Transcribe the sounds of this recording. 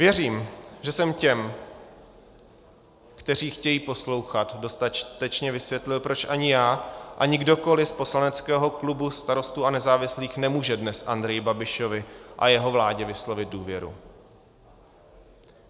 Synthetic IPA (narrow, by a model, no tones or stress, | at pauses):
vjɛriːmʒɛsɛmcɛm | kt̪ɛr̝iːxcɛjiːpo̞slo̞wxat̪do̞st̪at̪ɛt͡ʃɲɛvɪsvjɛt̪lɪlpɾo̞t͡ʃʔaɲɪjaːʔaɲɪɡdo̞ko̞lɪsposlanɛt͡skɛːɦo̞klubust̪aɾo̞st̪uːanɛzaːvɪsliːxnɛmuːʒɛdnɛsʔandɾɛjɪbabɪʃovɪʔa̰jɛɦo̞vlaːɟɛvɪslo̞vɪt̪̚duːvjɛɾṵ